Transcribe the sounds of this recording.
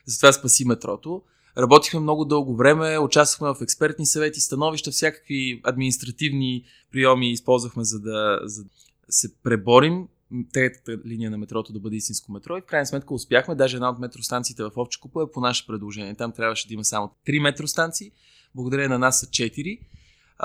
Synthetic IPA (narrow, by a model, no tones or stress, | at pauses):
zəɐt̪ovaspɐsimɛt̪ɾɔ̰t̪o | ɾɐbɔt̪ixmɛmnɔɡod̪ɤlˠɡovɾɛmɛʊt͡ʃast̪vəxmɛvɐfɛkspɛɾt̪nisɐvɛt̪ist̪ɐnɔviʃt̪əfsʲjakə̥kviɐd̪minist̪ɾɐt̪ivni | pɾijɔmiːspɔlˠzvəxmɛzɐd̪ɐzɐ | sɛpɾɛbɔɾim | t̪ɛt̪ə̥t̪əlinijənɐmɛt̪ɾɔt̪od̪ɐbɤd̪ɛist̪ĩnskomɛt̪ɾɔifkɾajnəsmɛt̪kəʊspʲjaxmɛd̪aʒɛd̪naot̪mɛt̪ɾost̪ant̪siːt̪ɛvɐfɔfʃt͡ʃɛ̥kupəɛponaʃɛ̥pɾɛd̪lˠoʒɛniɛt̪amt̪ɾʲabvəʃɛd̪ɐimɐsamot̪ɾimɛt̪ɾost̪ant̪siː | blˠɡod̪ɐɾənɐnast͡ʃɛt̪iɾi